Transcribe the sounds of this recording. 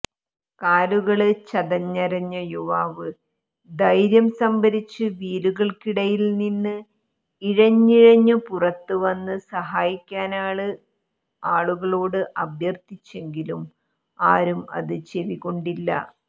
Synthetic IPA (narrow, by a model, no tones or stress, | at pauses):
kaːluɣɐɭɨt͡ɕɐðɐɲːɐɾɐɲːɐjuʋaːʋɨ | d̪ɐjɾjɐmsɐmbɐɾit͡ɕːɨʋiːɾuɣɐɭkiɽɐjilninːɨ | iɻɐɲːiɻɐɲːɨpurɐt̪ːuʋɐnːɨsɐɦaːjikʲːaːnaːɭɨ | aːɭuɣɐɭo̞ːɽɨʔɐbʱjɐrt̪it͡ɕːe̞ŋɡilum | aːɾumɐ̰ðɨt͡ɕeʋiɣo̞ɳɖilːɐ̰